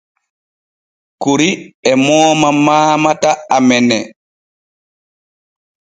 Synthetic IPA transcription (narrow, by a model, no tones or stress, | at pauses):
kuɾiɛmɔːmamaːmataamɛnɛ